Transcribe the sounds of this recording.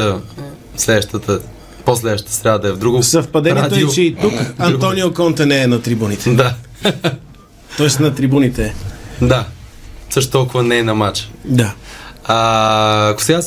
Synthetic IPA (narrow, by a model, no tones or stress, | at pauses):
ə | slɛd̪ʃt̪ət̪ə | poslɛd̪əʃt̪ət̪ə̥st̪ɾʲaəd̪ɐɛvd̪ɾuɡosɐfpɐd̪ɛnɛtd̪t͡ʃɛit̪ukɐnt̪ɔniokɔnt̪ɛnɛɛnɐt̪ɾibunit̪ɛ̥d̪a | t̪ɔɛst̪nɐt̪ɾibunit̪ɛd̪a | səʃt̪t̪ɔlˠkʊvənɛnɐmat͡ʃd̪aaː | kʊ̥sɛɡas